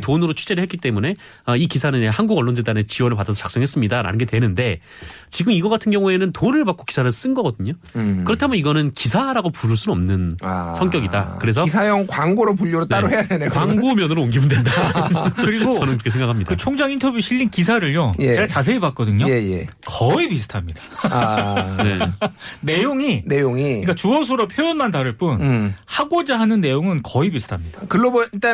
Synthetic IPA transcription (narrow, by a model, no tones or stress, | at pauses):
tonɯɾot͡ɕʰu̥d͡ʑe̞ɾɯɭhek͈it͈e̞mune̞ | ʌikisʰanɯnehanɡuɡʌɭːond͡ʑedanet͡ɕiwʌnɯɭpad͈as̬ʰʌt͡ɕak̚s͈ʌŋɦes͈ɯmɲidaɾa̰nɯnɡe̞twenɯnde̞ | t͡ɕiɡɯmiɡʌɡatʰɯnɡjʌŋue̞nɯntonɯɭpak͈o̥ki̥sʰaɾɯs͈ɯnɡʌɡʌdɯɲo | kɯɾʌtʰamjʌiɡʌnɯnkisʰaɾaɡopuɾɯɭs͈uʌmnɯnsʰʌŋk͈jʌɡida̰kɯɾe̞s̬ʰʌisʰajʌŋkwaŋɡoɾopuʎːoɾotn͈aɾoɦe̞jadenewaŋɡomjʌnɯɾoonɡimɯndwendakɯɾiɡoʌnɯmkɾkesʰeŋɡakʰamɲidaɯt͡ɕʰoŋd͡ʑaŋintʰʌbjuɕʰiʎːinkis̬ʰaɾɯɭjojeeɡat͡ɕas̬ʰe̞ipak̚k͈ʌdɯɲoe̞jḛkʌipisʰɯ̥tʰamɲid̥ḁ | nḛne̞joŋinejoŋiik͈at͡ɕuʌs̬ʰoɾʌpʰjojonmantaɾɯɭp͈unhaɡod͡ʑaɦanɯnːe̞joŋɯnkʌipisʰɯ̥tʰamɲid̥akɯɭːoboit͈a